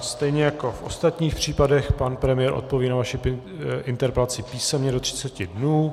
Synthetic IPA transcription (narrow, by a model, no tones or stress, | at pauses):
st̪ɛjɲɛjako̞fʔo̞̰st̪at̪ɲiːxpr̝̥iːpadɛxpanpɾɛmɪjɛɾʔo̞̰t̪̚po̞viːnavaʃɪ | ʔɪnt̪ɛɾpɛlat͡sɪpiːsɛmɲɛdo̞t̪r̝ɪ̥t͡sɛcɪdnuː